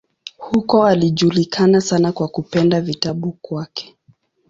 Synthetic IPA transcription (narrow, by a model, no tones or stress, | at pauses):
hukɔaliʄulikʰanasanakwakupɛndavitaɓukwakɛ̥